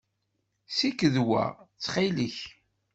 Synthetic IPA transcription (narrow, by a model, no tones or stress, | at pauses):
sikːəðwæ̰t͡sːχiləç